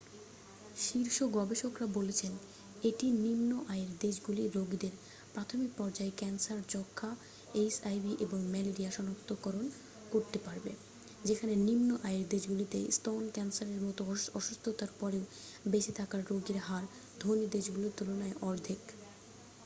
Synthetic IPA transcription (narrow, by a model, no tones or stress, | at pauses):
ʃiɾʃoɡɔbeʃokɾabolet͡ɕʰen | eʈinimnoʔajeɾd̪eʃɡuliɾoɡid̪eɾ | pɾat̪ʰomik̚pɔɾd͡ʑaekɛnsaɾt͡ɕɔkʰːa | esajbiʔeboŋmɛleɾiaʃɔnokt̪ʰokɔɾon | koɾt̪epaɾbe | d͡ʑekʰanenimnoʔajeɾd̪eʃɡulit̪ḛstonkɛnsaɾeɾmɔt̪oɔʃust̪ʰot̪aɾpɔɾeo | beʃet̪ʰakaɾːoɡeɾɦaɾ | d̪ʱonid̪eʃɡulot̪ulonaeʔɔɾd̪ʱik